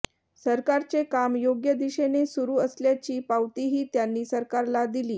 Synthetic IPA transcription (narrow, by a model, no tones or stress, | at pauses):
səɾkaɾt͡sekamjoɡjəd̪iɕenesuɾuːəsljat͡ɕiːpawt̪iɦiːt̪janːiːsəɾkaɾlad̪iliː